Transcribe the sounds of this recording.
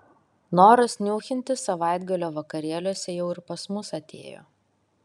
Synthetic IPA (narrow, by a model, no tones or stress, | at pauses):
noːɾɐsʲnʲuːxʲɪnʲt̪ʲɪsɐʋɑˑɪd̪ɡɐlʲoːʋɐkɐɾʲiɛlʲuɔsʲɛjɛʊɪɾpɐsmʊsɐt̪ʲḛːjo̰ː